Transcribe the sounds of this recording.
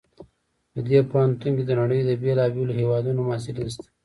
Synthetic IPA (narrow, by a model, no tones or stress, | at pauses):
d̪əd̪epohant̪uŋked̪ənaɽəjd̪əbelɑbelohewɑd̪unomɑsɪlnist̪ḁ